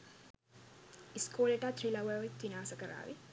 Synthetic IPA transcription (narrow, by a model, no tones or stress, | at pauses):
iskoːleʈaːt̪rilaʋəoʋit̪ʋinaːsəkəɾa̰ːʋi